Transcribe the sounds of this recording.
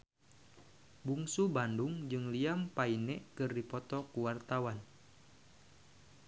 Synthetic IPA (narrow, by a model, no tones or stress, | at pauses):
buŋsubanduŋd͡ʒɨŋliampainɛʔkɨrdipɔt̪ɔkuwart̪awan